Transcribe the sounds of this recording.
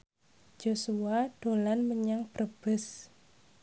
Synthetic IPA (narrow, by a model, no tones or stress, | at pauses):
d͡ʒ̥osuaɖ̥olanməɲaŋb̥rəb̥ɪs